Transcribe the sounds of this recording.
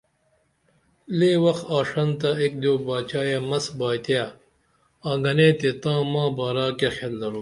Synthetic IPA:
lewɐxaːʂɐnt̪ɐek̚d̪oːbaːt͡ɕaːjemɐsbaːt̪ja | ãːɡɐnet̪et̪ãːmãːbaːɾaːkexelːɐɾu

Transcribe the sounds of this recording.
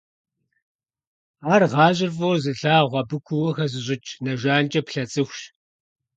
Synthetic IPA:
aːrʁɑːʑɪrfʼowzɨɬaːʁʷɐbɨkʷʰʊwɔxɐzɨɕʼɪt͡ʃʼnɐʒʷaːnt͡ʃʼɐpɬɐt͡sʼɨxʷʃ

